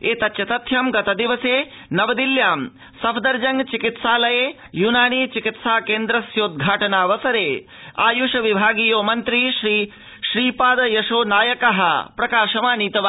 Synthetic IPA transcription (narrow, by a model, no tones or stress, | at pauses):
eːt̪ɐt̪ːʃɐt̪ɐt̪ʰjɐmɡɐt̪ɐd̪iʋɐseː | nɐʋɐd̪iljaːm | sɐpʰd̪ɐɾd͡ʒɐŋɡt͡ʃikit̪saːlɐjeː | junaːniːt͡ʃikit̪saːkeːnd̪ɾɐsjoːd̪̚ɡʱaːʈɐnaːʋɐsɐɾeː | aːjuʂɐʋibʱaːɡiːjoːmɐnt̪ɾiʃɾiː | ʃɾiːpaːd̪ɐjɐʃoːnaːjɐkɐɦɐ̰pɾɐkaːʃɐmaːniːt̪ɐʋa